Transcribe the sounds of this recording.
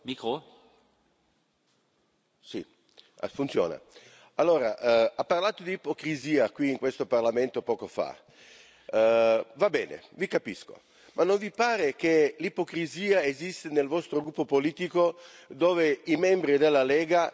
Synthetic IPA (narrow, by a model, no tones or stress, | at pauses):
mikɾo | sḭ | a̰funt̪sjɔ̰ːna̰ | alːoːɾaʔapːarlaːt̪od̪iːpokɾiziːakwiːŋkwest̪oparlament̪opɔːkofa̰ | vabɛːnḛvikapisko̰ | mʔanːoɱvipaːɾek̟elipokɾiziːaezist̪enelvɔst̪ɾoɡɾupːopoliːt̪ikod̪oːveimɛmbɾid̪elːalɛːɡa